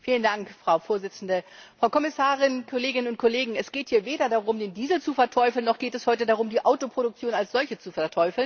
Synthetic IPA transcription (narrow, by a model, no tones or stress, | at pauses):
fiːləndaŋkfʁ̥aʊfoːɐzɪt͡sn̩dəfʁ̥aʊkʰɔmɪsaːʁɪnkʰɔleːɡɪnənʊnt̚kʰɔleːɡŋ̩ɛsɡ̥eːthiːɐveːdɐdaʁʊmdeːndiːzl̩t͡sufɛɐtʰɔʏfl̩nːɔχɡ̥eːtɛshɔʏtədaʁʊmdiːʔaʊtopʁ̥oɾʊk̚t͡sjoːnalsz̥ɔlçət͡sufɛɐtʰɔʏfl̩n